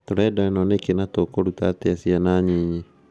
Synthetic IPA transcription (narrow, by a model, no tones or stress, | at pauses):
toɾɛːdaɛnɔnekenatokoɾutateasianaːɲiɲe